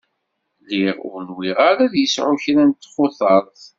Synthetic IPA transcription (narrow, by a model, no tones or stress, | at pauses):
liʁʊ̰ɾnwiʁaɾæðjəsʕʊçɾænt̪ːχʊθɑɾˤθ